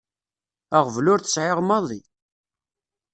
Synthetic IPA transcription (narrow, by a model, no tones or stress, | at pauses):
æʁvlʊɾθə̥sʕeʁmɑðˤi